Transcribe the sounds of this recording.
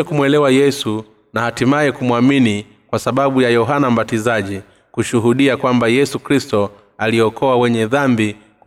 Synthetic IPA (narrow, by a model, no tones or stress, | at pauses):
ɛkumwɛlɛwajɛsu | nahatimaɛkumwamini | kwasaɓaɓujajɔɦanam̩batizaʄi | kuʃuɦuɗiakwambajɛsukɾistɔ | aliɔkʰɔawɛɲɛðambi | k